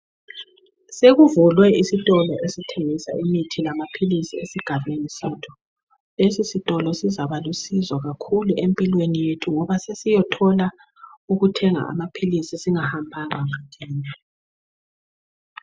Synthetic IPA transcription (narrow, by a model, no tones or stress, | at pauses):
seɣuvulwɛisitʼɔlɔʔesitʰeŋisa̰imitʰilamapʰilisiesiɡ̥ʱaβenisetʰu̥ | lesisitʼɔlɔsizaβalusizwaɣakʰuluʔempʼilwenijetʰuŋɔβasesijɔtʰɔla | uɣutʰɛŋa̰a̰mapʰilisisiŋahambʱaŋaŋatʰiːna